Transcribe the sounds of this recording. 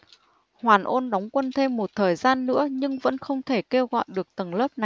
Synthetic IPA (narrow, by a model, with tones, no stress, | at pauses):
hwaː˨˩nʔo˧nɗa˨˦wŋ͡mkwə˧nt̪ʰe˧mːo˨˩t̚t̪ʰəː˨˩jzaː˧nːɨ̰˧˥əɲɨ˧ŋvə̰˧˥nxə˧wŋ͡mt̪ʰe˧˩ke˧wɣɔ̰˧˨jɗɨ˨˩ək̚t̪ə˨˩ŋləː˦˥p̚na˨˩j